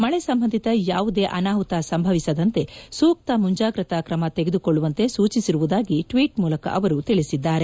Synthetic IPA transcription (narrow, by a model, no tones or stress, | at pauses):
mɐɭesɐmbɐnd̪ʱit̪ɐjaːʋud̪e̞ːʔɐnaːɦut̪asɐmbʱɐʋisɐd̪ɐnt̪e̞suːk̚t̪ɐmuɲd͡ʒaːɡɾɐt̪ɐkɾɐmɐt̪eɡed̪ukoɭːuʋɐnt̪e̞suːt͡ʃisiɾuʋud̪aːɡiʈʋiːʈmuːlɐkɐ̰ʔɐʋɐɾut̪iɭisid̪ːaːɾe̞